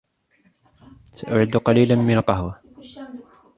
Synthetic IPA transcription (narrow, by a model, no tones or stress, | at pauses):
saʔʊʕɪd̪qɑliːlanmɪnalqɑɦwa